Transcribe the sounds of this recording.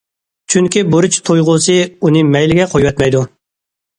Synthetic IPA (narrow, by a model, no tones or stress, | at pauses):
t͡ʃʰyŋkʲiboɾut͡ʃʰt̪ʰojʁʊsɨunɨmɛjlɪɡʲɛqʰojwɛt̪mɛjd̪u